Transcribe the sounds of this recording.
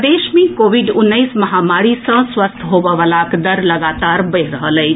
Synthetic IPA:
d̪eʃmẽkoːʋiɖʊnːəɪsmɐɦamaɽisə̃swəst̪ʰɦobəʋəlakd̪əɾləɡat̪aɾbəjɾəɦələj

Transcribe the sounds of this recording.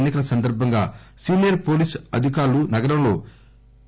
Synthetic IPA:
nːikɐlɐsɐnd̪ɐɾbʱɐŋɡa̰ːsiːnijɐɾpo̞ːliːsɐd̪ʱikaːɾlunɐɡɐɾɐmlo̞ː

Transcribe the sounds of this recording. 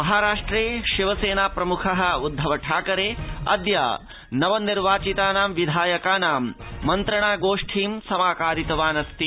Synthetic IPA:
mɐɦaːɾaːʂʈɾeːʃiʋɐseːnaːpɾɐmukʰɐɦɐ̆ud̪ʱːɐʋɐʈʰaːkɐɾeːɐ̰d̪ja̰ː | nɐʋɐnːiɾʋaːt͡ʃit̪aːnaːmʋid̪ʱaːjɐkaːnaːmːɐnt̪ɾɐɳaːɡoːʂʈʰiːmsɐmaːkaːɾit̪ɐʋaːnɐst̪i

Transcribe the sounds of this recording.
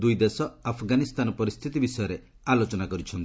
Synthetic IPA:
d̪ujd̪esɔapʰɡanist̪anɔpɔɾist̪ʰit̪ibisɔjɔɾe | alot͡ʃɔnakɔɾit͡ʃʰɔnt̪i

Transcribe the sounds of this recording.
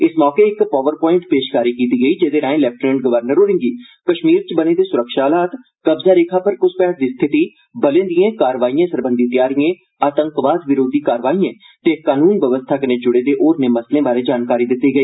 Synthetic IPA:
ɪsmɔːkeːɪkpaːʋəɾpɔːɪ̃ɳʈpeːʃkaːɾiːkiːt̪iːɡəiːd͡ʒeːd̪eːɾãːẽːlɛːp̚ʈnə̃ɳʈɡəʋəɾnəɾoːɾɪ̃ŋɡiː | kəʃmiːɾt͡ʃbəneːd̪eːsʊɾəkʃaːlaːt̪ | kəbzaːɾeːkʰaːpəɾkʊspɛːsd̪iːst̪ʰɪt̪iː | bəlẽːnd̪iẽːkaːɾʋaːiːẽːsəɾbənd̪iːt̪ɪjaːɾijẽː | aːt̪ə̃ŋkʋaːd̪ʋɪɾoːd̪iːkaːɾʋaːiːẽː | t̪eːkaːnuːnʋjəʋəst̪ʰaːkəneːd͡ʒʊɽeːd̪eːʔoːɾneːməslẽːbaːɾeːd͡ʒaːnkaːɾiːd̪ɪt̪ːiːɡəiː

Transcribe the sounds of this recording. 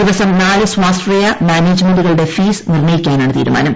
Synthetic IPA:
iʋɐsɐmnaːlɨswaːsʈrɐjɐmaːneːd͡ʑmeɳɖuɣɐɭɽe̞fiːsnirɳɐjikʲːaːnaːɳɨt̪ḭːɾuma̰ːnɐm

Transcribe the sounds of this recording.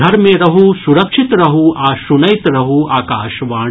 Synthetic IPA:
ɐɾmẽɾɐɦusuɾɐkʂɪt̪ɾɐɦuʔaːʃunɐjt̪ɾɐɦuaːkaːʃʋaː

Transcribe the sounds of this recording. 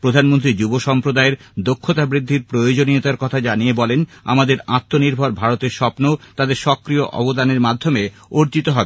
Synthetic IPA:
pɾod̪ʱanmont̪̬ɾid͡ʑuboʃɔmpɾod̪aeɾd̪okʰːot̪abɾid̪ʱːiɾpɾojod͡ʑoniot̪aɾkɔt̪ʰad͡ʑanijebɔlena̰mad̪eɾat̪ːoniɾbʱoɾbʱaɾot̪eɾʃɔpnot̪ad̪eɾʃɔkɾioʔɔ̰bod̪aneɾmad̪ʱːome | oɾt͡ɕit̪oɦɔbe

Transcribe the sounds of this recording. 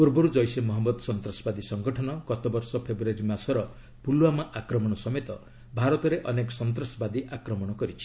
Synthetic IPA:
puɾbɔɾud͡ʒɔjsemɔɦɔmɔd̪sɔnt̪ɾasɔbad̪isɔŋɡɔʈʰɔnɔkɔt̪ɔbɔɾsɔpʰebɾuaɾimasɔɾɔ | puluamaʔakɾɔmɔɽ̃ɔsɔmet̪ɔ | bʱaɾɔt̪ɔɾeʔɔnekɔ̥sɔnt̪ɾɔsɔbad̪iʔakɾɔmɔɽ̃ɔkɔɾit͡ʃʰi̥

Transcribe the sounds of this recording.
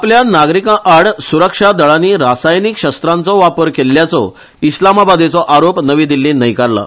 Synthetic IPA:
apljanaɡɾikãʔaɽsuɾəkʂad̪əɭaniːɾasajnikɕəst̪ɾant͡sɔʋapəɾkelːjat͡sɔ | islamabad̪et͡sɔʔaɾopnəʋĩd̪ilːĩnəjkaɾla̰

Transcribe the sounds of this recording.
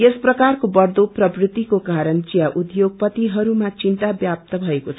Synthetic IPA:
esprʌkarkobʌrd̪oprʌbrit̪ːikokaɾʌnt͡sijaʔud̪joɡ̚pʌt̪iɦʌɾumat͡sint̪abjap̚t̪ʌbʱʌekot͡sʰʌ

